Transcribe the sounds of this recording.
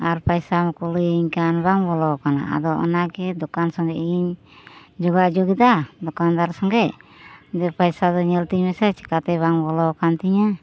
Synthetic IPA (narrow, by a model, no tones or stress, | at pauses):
aɾpajsamɔkuliiɲkanbaŋbɔlɔkana̰a̰d̪ɔʔɔ̰naɡɛd̪ɔkansɔŋɡɛʔiɲ | d͡ʒɔɡad͡ʒoɡid̪ad̪ɔkand̪aɾsɔŋɡɛʔd̪ɛpajsad̪ɔɲɛlt̪iɲmɛsɛt͡ʃɛ̥kat̪ɛβaŋbɔlɔkant̪iɲa